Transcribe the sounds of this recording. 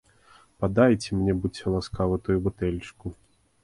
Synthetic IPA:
pad̪ajt͡sʲɛmnʲɛbut͡sʲːɛlˠaskavɨt̪ɔjubut̪ɛlʲt͡ʂku

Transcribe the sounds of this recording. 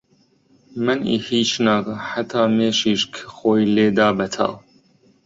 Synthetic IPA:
mɨnḭhiːt͡ʃnaːkɐħat̪ʰɑːmeːʃiːʃkʰxoːjleːd̪ɑːbɐt̪ʰɑ̰ːw

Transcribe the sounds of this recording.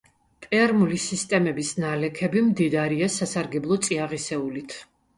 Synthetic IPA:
pʼɛɾmulisist̪ʼɛmɛbisnalɛkʰɛbimd̪id̪aɾiasasaɾɡɛblˠɔt̪sʼiaʁisɛulit̪ʰ

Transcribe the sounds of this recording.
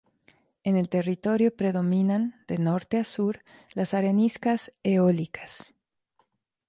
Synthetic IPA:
e̞ne̞lt̪e̞rit̪o̞ɾjo̞pɾe̞ðo̞mĩnand̪̥e̞no̞ɾt̪easuɾlasaɾeniskaseolikʰḁs

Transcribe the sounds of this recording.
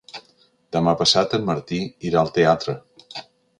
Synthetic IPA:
d̪əmapəsat̪əmməɾt̪iiɾaəlˠt̪eat̪ɾə

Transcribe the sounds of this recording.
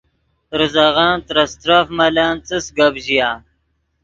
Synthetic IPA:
ɾɨzaɣaːnt̪ɾɐst̪ɾafmɐlaːnt͡sɨsɡɐbʑijaː

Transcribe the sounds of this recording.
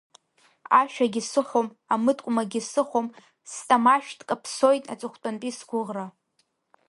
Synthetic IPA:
aʃᶣaɡʲɪsɨχʷom | amɨtʼkʷʼʊmaɡʲisɨχʷom | stʼamaʃᶣtʼkʼapʰso̞jtʼa̰t͡sʷʼɨχʷtʼonpʼisɡʷʊʁra

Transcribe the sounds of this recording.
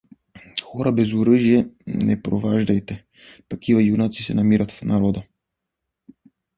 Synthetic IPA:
xɔɾabɛzuɾəʒijɛnɛpɾɔvaʒd̪ajt̪ɛ | t̪akivajunat̪si̥sɛnamiɾat̪fnaɾɔd̪a

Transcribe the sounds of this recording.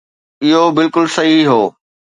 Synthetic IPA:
ɪɦobɪlkʊlsɐɦiɦoː

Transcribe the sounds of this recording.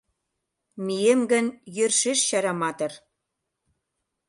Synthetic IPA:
miemɡə̆njørʃeʃɕɑɾɑmɑt̪ɤ̆r

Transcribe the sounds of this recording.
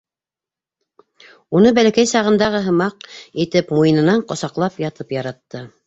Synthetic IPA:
unɤbælækæjsɑʁɤ̆nd̪ɑʁɤɦɤ̆mɑq̚it̪ɘpmujɤnɤ̆nɑɴqŏsɑqlˠɑpjɑt̪ɤpjɑɾɑt̪ːɤ

